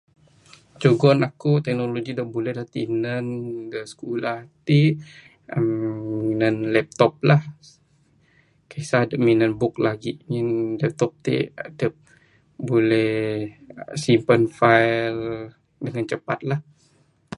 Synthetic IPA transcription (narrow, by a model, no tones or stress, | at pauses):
d͡ʒoɡɔnakut̪ɛk̚noloɡidəbolɛhdlat̪inənɡəsə̥kulaht̪i | əmːinənlɛp̚t̪ɔp̚lah | kasadəʔminənbʊk̚laɡiminlɛp̚t̪ɔp̚t̪ḛadəʔ | bolɛh | simpənfajl | dəŋant͡ʃəpat̪̚lah